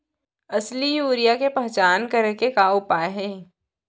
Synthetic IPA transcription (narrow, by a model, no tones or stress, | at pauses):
ɐslijuːɾijakepɛɦt͡ʃaːnkɐɾekekaːʊpaːeɦɛː